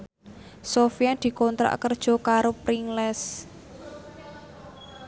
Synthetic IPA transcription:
sofiad̪̥i̤kɔnt̪ɾa̰ʔkərd̥ʒ̥ɔ̤kaɾopɾiŋlɛs

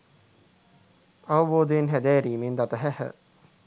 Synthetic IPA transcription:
ɐʋɐboːd̪ejenɦæd̪ɛːɾiːmend̪at̪əɦæhə̰

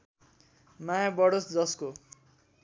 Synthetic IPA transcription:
majabʌɽosd͡zʌsko

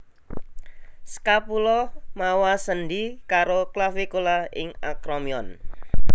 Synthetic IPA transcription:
sə̥kapulɔmawasənɖikaɾoklafekolaɪ̰ŋakɾɔmiɔ̰n

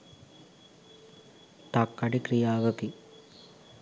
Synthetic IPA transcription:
t̪akːaɖikrijaːʋəpi

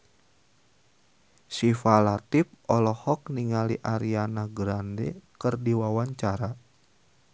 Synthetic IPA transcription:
sifalat̪ip̚ɔlɔhɔk̚niŋaliʔaɾianaɡɾandɛkɨrdiwawaɲt͡ʃaɾa

